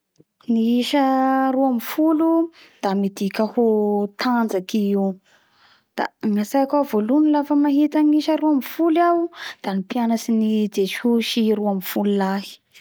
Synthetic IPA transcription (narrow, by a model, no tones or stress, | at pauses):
niiʃaɾuamifulu | d̪̥amid̪ikʲəhot̪and͡zakiiw | d̪̥a̰ŋasajakʲavolunilafəmaɦit̪aniʃəɾuamifulawd̪̥anipianasinid͡zeʃuʃiɾuamfululaɦi̥